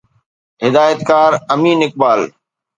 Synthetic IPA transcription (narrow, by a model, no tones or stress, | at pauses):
ɦɪd̪aːjət̪kaːɾəmiːnɪk̚baːl